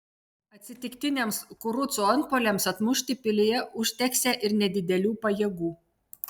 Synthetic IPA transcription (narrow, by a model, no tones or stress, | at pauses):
ɐt̪ʲsʲɪt̪ʲɪkt̪ʲɪnʲemskʊɾʊt̪soɔnpoːlʲɛmsɐt̪mʊʃʲt̪ʲɪpʲɪlʲeːjɛʔʊʃʲt̪ʲɛksʲæːʔɪɾnʲɛd̪ʲɪd̪ʲɛlʲuːpɐjeːɡuː